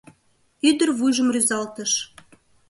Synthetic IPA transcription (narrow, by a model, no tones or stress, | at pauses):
yd̪ərβujʒəmryzɑlt̪əʃ